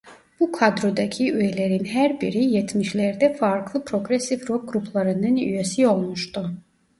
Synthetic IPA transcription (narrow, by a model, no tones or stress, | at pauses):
b̥ukʰad̪ɾod̪acʰiyelʲeɾinɦæɾbiɾijɛt̪miʃlʲɛɾd̪ɛfaɾklˠɯpʰɾo̞ɡɾesifɾok̚ɡɾupʰlˠaɾɯnɯny̰jesio̞lˠmuʃt̪u